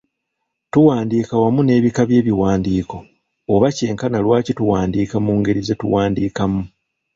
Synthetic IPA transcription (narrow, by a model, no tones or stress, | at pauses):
tuwaːndiːkawamune̞ːβikaβje̞ːβiwaːndiːko̞ | oβace̞ːŋkanalwaːcituwaːndiːkamuːŋɡe̞ɾize̞tṵwaːndiːkamu